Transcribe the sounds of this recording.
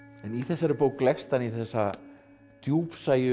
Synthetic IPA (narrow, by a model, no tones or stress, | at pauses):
ɛniθɛsːaɾɪpoːwklɛxst̪aniθɛsːa | t̪juːpsaːjʏ